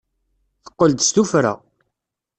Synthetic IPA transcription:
θə̥qːəld̪st̪ufɾa̰

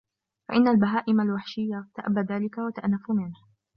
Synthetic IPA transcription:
fa̰ʔɪnːalbaɦaːʔɪmalwaħʃɪjːat̪aʔabːaðaːlɪkawat̪aʔnːafʊmɪnha

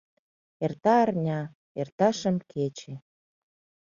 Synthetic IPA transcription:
ert̪ɑːrnʲɑ | ert̪ɑʃə̆mkʰet͡ɕe

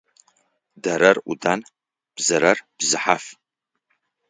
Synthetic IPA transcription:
daɾɐrudan | b̥zɐɾɐrb̥zɨħaf

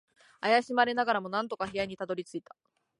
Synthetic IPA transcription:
ajaɕimaɾe̞naɡaɾamo̞nãnt̪o̞kaçijaɲ̟it̪ad̪o̞ɾʲit͡sɨit̪ḁ

